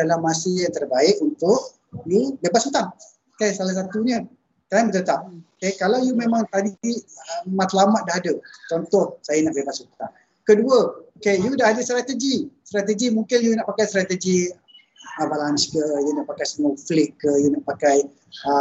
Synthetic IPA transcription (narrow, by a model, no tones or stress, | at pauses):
dalamːasəjaŋt̪ərbaɪʔunt̪ʊʔ | jubebatsut̪aŋ | okesalas̬at̪uɲə̃ | t̪ambət̪ət̪ap̚okekalawjumẽmãŋt̪adimat̪əlamat̪̚dahɦadət͡ʃɔnt̪ɔhsajənaʔbebasut̪aŋ | kəduəokejudaɦadəst̪ɾat̪əɡist̪ɾat̪əɡimuŋkɪnjunaʔpakajst̪ɾat̪əd͡ʒi | əvalanskəjunaʔpakajsəmaflɪʔkəjunaʔpakaj | ə